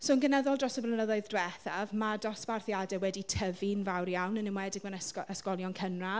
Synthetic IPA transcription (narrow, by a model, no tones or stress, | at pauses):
soːnɡənɛðɔlˠdrɔsəbrənəðɔɨðdwɛθavmadɔsb̥arθjadɛwɛditʰəvinvawrjawnənɪmwɛdɪɡmanəsɔəskɔlˠjɔnkʰənra